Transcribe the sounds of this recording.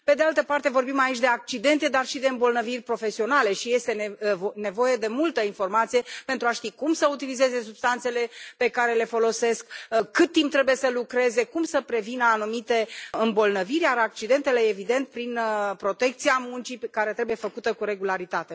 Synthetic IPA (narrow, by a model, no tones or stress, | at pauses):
pe̞d̪ealt̪əpart̪e̞vo̞rbimait͡ʃʲd̪e̞ak̚t͡ʃid̪e̞nt̪e̞d̪arʃid̪e̞ɨmbo̞lnəvirʲpɾo̞fe̞sio̞nale̞ʃije̞st̪e̞ne̞vo̞je̞d̪e̞mult̪əinfo̞rmat̪sije̞pent̪ɾuaʃt̪ikumsəut̪ilize̞ze̞sub̥st̪ant̪se̞le̞pe̞kaɾe̞le̞fo̞lo̞se̞skkɨt̪̚ːimp̚t̪ːɾe̞buje̞səlukɾe̞ze̞kumsəpɾe̞vinəanumit̪e̞ɨmbo̞lnəvirʲjaɾak̚t͡ʃid̪e̞nt̪e̞le̞evid̪e̞nt̪̚pɾinpɾo̞t̪e̞k̚t̪siamunt͡ʃikaɾe̞t̪ɾe̞buje̞fəkut̪əkuɾe̞ɡulaɾit̪at̪e̞